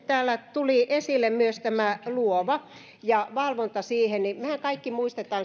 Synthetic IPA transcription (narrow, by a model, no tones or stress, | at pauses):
t̪æːlːæt̪uliʔesilːˑemmyøst̪æmæluoʋɑ | jɑʋɑlʋont̪ɑsiːhennimehækɑikːimuist̪et̪ɑːn